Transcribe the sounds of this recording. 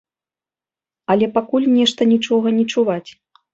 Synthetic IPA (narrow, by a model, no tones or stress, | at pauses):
ɐlʲɛpakulʲnʲɛʂt̪ɐnʲit͡ʂɔɣɐnʲit͡ʂuvat͡sʲ